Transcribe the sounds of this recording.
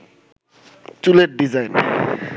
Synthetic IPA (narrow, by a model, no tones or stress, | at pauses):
t͡ɕuleʈ̚ɖizajn